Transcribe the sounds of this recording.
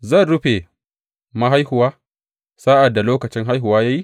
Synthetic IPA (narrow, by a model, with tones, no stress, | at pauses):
zɐ˦˨nɽʊ˦ɸe˨ | ma˦ɦa˦jhʊ˨waː˦ | saː˦ʔa˨dːa˨loː˦kɐ˨t͡ʃɪ˦ŋɦa˦jɦʊ˨waː˦jaː˦ji˦